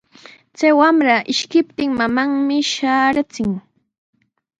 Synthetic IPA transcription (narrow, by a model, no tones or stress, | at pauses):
t͡sajwamɾaʔɪʃkɪp̚t̪ɪŋmamaŋmɪʃaːɾat͡sɪŋ